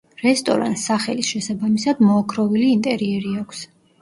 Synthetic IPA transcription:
ɾɛst̪ʼɔ̰ɾa̰nt̪sːaχɛlisʃɛsabamisad̪mɔːkʰɾɔviliːnt̪ʼɛɾiɛɾiakʷʰs

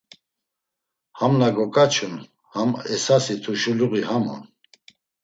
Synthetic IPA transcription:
hamnaɡɔkʼat͡ʃʰun | hamɛsasit̪ʰuʃuluɣihamɔ̰n

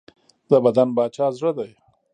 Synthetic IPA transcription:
d̪əbad̪anbɑːt͡ʃɑːzɽəd̪aj

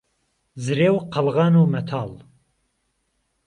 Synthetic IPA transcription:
zɨɾeːwqʰɐlɣɑːnuːmɛt̪ʰɑːl

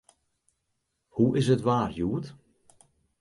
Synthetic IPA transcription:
huʔɪsətʋaːrjuːət

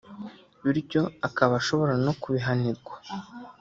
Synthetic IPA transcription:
βiɾɟo̞akaβaʃo̞βo̞ɾano̞kuβiɦaniɾɡwḁ

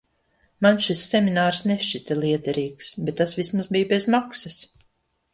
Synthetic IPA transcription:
manʃisːɛminaːɾsnɛʃʲt͡ʃit̪ʲɛlˠiɛd̪ɛɾiːksbɛt̪ːasvismuzbijbezmaksɨs

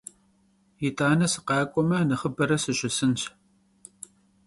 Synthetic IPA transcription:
jitʰʼaːnɐsɨ̥qɑːkʷʼɔmɐnɐχəbɐɾɐsɨɕʷɪsɨnt͡ʃʰ

